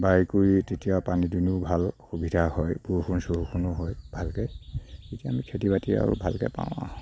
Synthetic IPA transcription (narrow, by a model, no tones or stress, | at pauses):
bajkuɹitetijapanidinubʱalxubʱidʱahɔjbuɹxʰunsoɦukʰunʊɦɔjbʱalkɛetiaːmikʰetibatia̰ɹṵbʱalkɛ̰pã̰w̃ã̰